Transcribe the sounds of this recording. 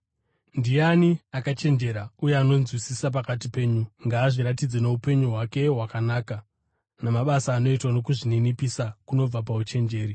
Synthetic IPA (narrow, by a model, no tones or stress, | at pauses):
ndianiakat͡ʃe̞nd͡ʒe̞ɾaujeano̞nzwisisap̬akat̬ipe̞ːɲuŋɡaːʐiɾatid͡zene̞upe̞ɲuɦwake̞ɦwakanaːka | namaɓasaːno̞itwanokuʐininipisakuno̞b͡vap̬aut͡ʃe̞nd͡ʒe̞ːɾi